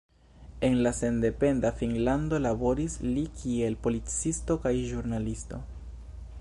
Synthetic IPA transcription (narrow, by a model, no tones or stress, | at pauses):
e̞nlase̞nde̞pe̞ndafinlando̞labo̞ɾislikʰie̞lpo̞lit͡sisto̞kajʒuɾnalisto̞